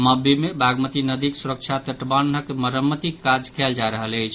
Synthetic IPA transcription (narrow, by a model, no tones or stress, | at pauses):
məbʱimebʱaɡmət̪inəd̪iksuɾək̚t͡ʃʰat̪əʈbanəkeməɾəmːət̪ikːad͡ʒkʰɛld͡ʒaɾəɦələjt͡ʃʰ